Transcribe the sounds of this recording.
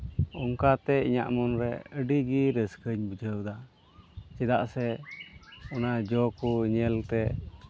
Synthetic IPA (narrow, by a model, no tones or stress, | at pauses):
ɔŋkat̪ɛiɲa̰ʔmɔnɾɛəɖiɡiɾəskəɲbəd͡ʒəwd̪a | t͡ʃɛd̪aʔsɛ | ɔnad͡ʒɔkuɲɛlt̪ɛ